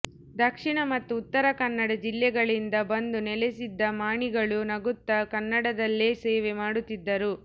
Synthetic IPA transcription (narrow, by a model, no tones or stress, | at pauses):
d̪ɐkʂiɳɐmɐt̪ːuːt̪ːɐɾɐkɐnːɐɽɐd͡ʒilːɛɡɐɭind̪ɐbɐnd̪unɛlesid̪ːɐmaːɳiɡɐɭunɐɡut̪ːɐkɐnːɐɽɐd̪ɐlːeseːʋemaːɽut̪ːid̪ːɐɾu